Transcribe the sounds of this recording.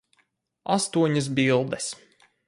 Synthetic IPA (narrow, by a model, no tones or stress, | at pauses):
a̰st̪uɔɲɐs̬bilˠd̪ɛs